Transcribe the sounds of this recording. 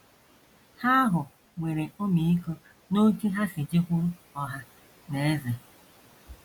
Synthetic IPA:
ha˦ɦʊ˨ | ŋʷe˨ɾe˨o˦mi˨i˦ko˦ | no˦ki˦ɦa˦sɪ˨d͡ʒi˦kʷu˦ɾu˦ | ɔ˦ɦa˦ | ne˨e˦ze˨

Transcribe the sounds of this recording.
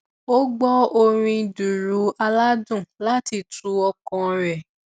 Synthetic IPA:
o˦ɡ͡bɔ˦o˧ɾ̃ĩ˧du˨ɾu˨˦a˧la˦dũ˦˨la˦ti˧tu˨˦ɔ˧kɔ̃˧ɾɛ˨

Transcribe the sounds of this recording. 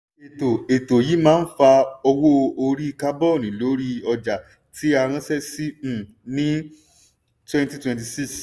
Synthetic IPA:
e˨to˨e˨to˨ji˨˦mãː˦n̩˦fa˧ɔ˧wo˦o˧ɾi˦˧ka˦bɔ˦˨nĩ˨˦lo˨˦ɾi˦ɔ˧d͡ʒa˨ | tʰi˨˦a˧ɾ̃ã˧˦sɛ˦si˦˨ | nĩ˦ | twɛ̃˧nti˧twɛ̃˧nt̬i˨si˦˨s

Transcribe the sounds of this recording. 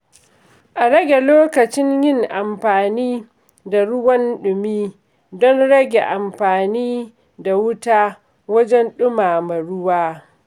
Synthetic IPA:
ʔa˨ɾɐ˦ɡʲe˨loː˦kɐ˨t͡ʃɪ˦ɲjɪ˦ŋʔa˨mɸaː˨niː˦ | da˨ɽʊ˦wɐ˦nɗʊ˨miː˦ | dɔ˦nɽɐ˦ɡʲḛ˨ʔa˨mɸaː˨niː˦ | da˨wʊ˦taː˦ | wɐ˦d͡ʒɛ˦nɗʊ˦maː˨ma˨ɽʊ˦waː˦

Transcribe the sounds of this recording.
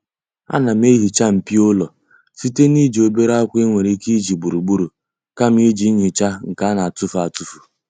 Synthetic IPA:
a̰˦na˨m˦e˦ɦi˨t͡ʃa˦m̩˨pi˦ʊ˦lɔ˨ | si˦te˦ni˦d͡ʒi˨o˨be˦ɾa˦kʷe˦ŋʷe˨ɾe˦ki˦d͡ʒi˨ɡ͡bu˨ɾu˨ɡ͡bu˦ɾu˨ | ka˦m̩˦i˦d͡ʒi˦ɲi˨t͡ʃa˦ŋ̩˨ka˦na˨a˨tu˦fa˨tu˨fu˨

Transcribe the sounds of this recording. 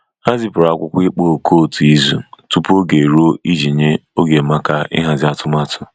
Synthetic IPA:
a˦zi˦pʊ˨ɾa˨kʷʊ˦kʷi˦k͡po˦o˨kʰo˦˨tu˨i˦zu˨tu˦pu˦o˦ɡe˨ɾo˦i˦d͡ʒi˨ɲe˦o˦ɡe˨ma˦ka˦ɪ̰˦ɦa˨zɪ˨˦a˨tʊ˦ma˦tʊ˦

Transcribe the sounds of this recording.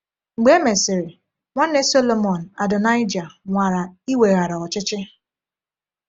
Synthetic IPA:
ŋ͡m̩˨ɡ͡be˦me˨sɪ˨ɾɪ˨ | ŋʷa˦n̩˦e˦so˦lo˨mɔ˨n̩˨a˨dʊ˨na˦ɪ˦d͡ʒa˨ŋʷa˨ɾa˨i˦we˨ɣa˨ɾa˨ɔ˨t͡ʃɪ˦t͡ʃɪ˦

